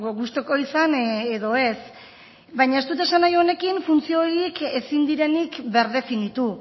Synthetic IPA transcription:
ɣoɣust̪o̞ko̞isaneðo̞e̞s | bajɲaest̪ut̪aesanajone̞kinfunt͡sio̞ɾiike̞sind̪iɾe̞nikbe̞ɾðe̞finit̪u

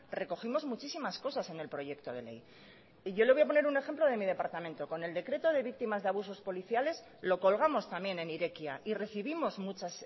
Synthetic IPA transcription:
re̞ko̞ximo̞zmut͡ʃisimasko̞sase̞ne̞lpɾo̞ʝe̞kt̪o̞ð̞e̞̰le̞̰j | ʝo̞le̞βojap̬o̞ne̞ɾune̞xe̞mplo̞ð̞e̞mið̞e̞paɾt̪amẽ̞nt̪o̞ko̞ne̞ld̪e̞kɾe̞t̪o̞ð̞e̞βik̚t̪imazðeaβ̞uso̞spo̞liθjale̞z | lo̞ko̞lɣ̞amo̞st̪amje̞ne̞niɾe̞kjaʔire̞θiβimo̞zmut͡ʃas

